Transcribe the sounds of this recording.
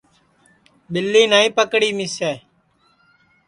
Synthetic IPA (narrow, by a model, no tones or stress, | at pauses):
ɓɪlːiːnaːĩːpəkɽiːmɪseː